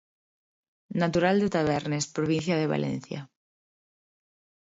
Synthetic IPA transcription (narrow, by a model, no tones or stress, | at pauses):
nat̪uɾald̪et̪aβ̞ɛɾnespɾoβĩn̟θjaðeβa̰lʔḛ̃nθja̰